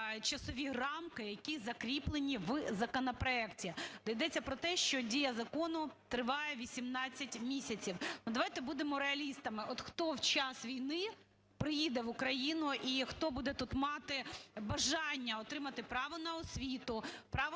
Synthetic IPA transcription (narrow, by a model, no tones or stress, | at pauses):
t͡ʃɐsɔʋʲirɑmkɪjɐkʲizɐkɾʲiplˠenʲiʋzɐkɔnɐpɾɔɛktʲid̪̥ɐjd̪ɛt͡sʲːɐpɾɔt̪ɛʃt͡ʃɔdʲijɐzɐkɔnʊt̪ɾɪʋɑjɛʋʲisʲimnɑt͡sʲːɐtʲmʲisʲɐt͡sʲiwnud̪ɐʋɑjt̪ɛbud̪emɔɾeɐlʲist̪ɐmɪʔɔt̪xt̪ɔwt͡ʃɑsʋʲijnɪ | pɾɪjid̪ɛʋʊkɾɐjinʊʔixt̪ɔbud̪ɛt̪ut̪mɑt̪ɪbɐʒɑnʲːɐɔt̪ɾɪmɐt̪ɪpɾɑʋɔnɐɔsʲʋʲit̪ʊpɾɑʋ